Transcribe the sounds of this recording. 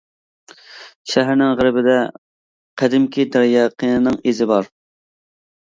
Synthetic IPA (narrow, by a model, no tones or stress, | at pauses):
ʃæɦæɾnɪŋʁəɾɪbɪd̪ɛ | qʰæd̪ɪmkʲʰid̪æɾjɛqinɨnɨŋezɪbɑɾ